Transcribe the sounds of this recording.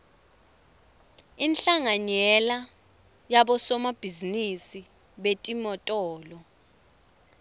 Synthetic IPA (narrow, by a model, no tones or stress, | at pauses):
inɬaŋaɲɛla | jaɓɔsɔmab̥ʱizinisi | ɓetʼimɔtʼɔːlɔ